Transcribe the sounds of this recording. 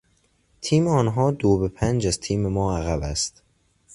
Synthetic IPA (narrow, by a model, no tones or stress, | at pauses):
t̪ʰiːmeɒːnɦɒːd̪oːbepʰænd͡ʒæzt̪ʰiːme̞mɒːæɣæbæst̪